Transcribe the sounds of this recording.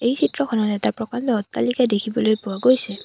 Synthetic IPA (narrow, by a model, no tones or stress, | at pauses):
ejsʰitɹɔkʰɔnɔtɛtaɹpɹɔkandɔɔtːalikadekʰibɔlojpʊwaɡojsɛ